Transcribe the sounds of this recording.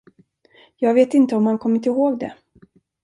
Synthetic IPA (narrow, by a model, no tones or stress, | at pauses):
jɑːɡveːt̪ɪnt̪əɔmhankʰɔmːɪt̪ɪɦoːɡd̪ɛ̰